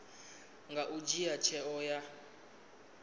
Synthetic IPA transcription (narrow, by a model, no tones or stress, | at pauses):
ŋɡaʔud͡ʒijat͡ʃʰɛɔja